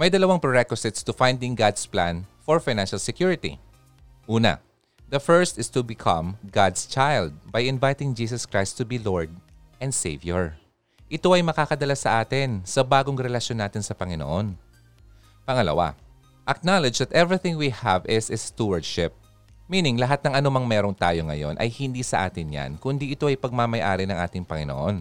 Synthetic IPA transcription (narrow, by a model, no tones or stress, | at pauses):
mɐjd̪ɐlɐwaŋpɛɹɛkwʊsɪt̪st̪ʊfãj̃nd̪ɪ̃ŋɡad̪splã̰nfɔɹfajnanʃɐlsɛkjuɹɪt̪ḭ | ʔuːnɐ̰ | d̪ɐfɛɹst̪ɪst̪ubɪkʰɐ̰̃mɡad̪st͡ʃajld̪̚bɐjɪnvajt̪ɪŋd͡ʒiːs̬ɐskɹajst̪ːʊbiloɹd̪̚ | ʔɛ̃nd̪sḛjvjoɹ | ʔɪt̪o̞ɐjmɐkaːkɐd̪ɐlasɐʔaːt̪ɪnsɐbaːɡoŋɾɛlɐʃjonːaːt̪ɪnsɐpɐŋɪno̰ʔon | pɐŋɐlɐ̰wa̰ | ʔɐk̚nalɪd͡ʒðɐt̪ʔɛvɹiθɪ̃ŋwihɐvɪsɪst̪uwɐɹd̪ʃɪp̚ | minɪŋlɐɦat̪nɐŋʔɐnomɐŋmɛːɾont̪aːjo̞ŋɐ̰jo̞̰nʔɐ̰jhɪnd̪iːsɐʔa̰ːt̪ɪnja̰nkʊnd̪iʔɪt̪oʔɐjpɐɡ̚mamɐjʔaːɾɪnɐŋʔaːt̪ɪŋpɐŋɪno̰ʔon